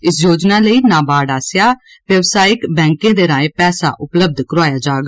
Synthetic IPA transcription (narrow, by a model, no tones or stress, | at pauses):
ɪsjoːd͡ʒnaːləiːnãːbaːɽaːsɪjaː | ʋjəʋsaːɪkbɛ̃ːŋkẽːd̪eːɾãːẽːpɛːsa̰ːʔʊpləb̚d̪ʱkəɾoaːjaːd͡ʒaːɡ